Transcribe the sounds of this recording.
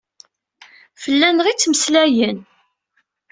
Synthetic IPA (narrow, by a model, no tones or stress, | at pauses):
fəlːænəʁit͡sːməslæjən